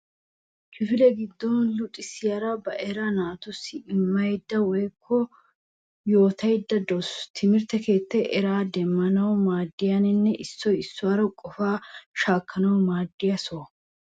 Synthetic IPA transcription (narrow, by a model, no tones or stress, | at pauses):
t͡ʃɪfɪlɛɡɪd̪ːɔnlʊt̪ʼɪsɪjɐɾɐbɐʔɛɾɐnaːt̪ʊsːɪɪmːɐjd̪ːɐwɔjkʰːɔ | jo̞ːt̪ɐjd̪ːɐd̪ɔst̪ʰɪmɪɾt̪ɛke̞ːt̪ːɛʔɛɾaːd̪ɛmːɐnɐwmaːd̪ːɪjɐnɪnːɛʔɪsːɔjɪsːʊwaɾɐkʼɔfaːʃaːkːɐnɐwmaːd̪ːɪjɐsoː